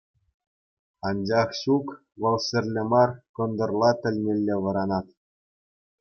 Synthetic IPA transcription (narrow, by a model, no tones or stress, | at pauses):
ɑnd͡ʑɑχɕuk | ʋɤ̆lˠsʲɘ̆rʲlʲɘ̆mɑrkɤ̆nd̪ɤ̆rlˠɑt̪ʲɘ̆lʲmʲelʲːeʋɤ̆ɾɑnɑt̪